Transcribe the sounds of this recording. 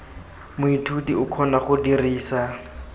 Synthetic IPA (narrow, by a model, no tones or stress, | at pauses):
mʊitʰudiʊkʰɔnaχʊdiriːsa